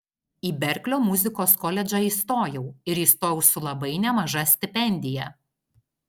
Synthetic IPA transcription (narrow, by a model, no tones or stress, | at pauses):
iːbʲɛɾʲklʲoːmʊzʲɪkoːskɔlʲɛd͡ʒʲɑiːˑst̪oːjɛʊɪɾiːst̪oːjʊsʊlˠɐbɐɪnʲɛmɐʒɐsʲt̪ʲɪpʲɛnʲd̪ʲɪjɛ